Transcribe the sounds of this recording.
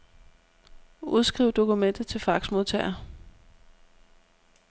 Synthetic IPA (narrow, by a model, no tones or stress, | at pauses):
uð̞ˠsɡ̥ʁiʊ̰d̥o̝kumen̰d̥ð̩ˠt͡sʰe̝lfɑ̈ɡ̥smo̝ðˠt͡sʰɛ̰ɪɐ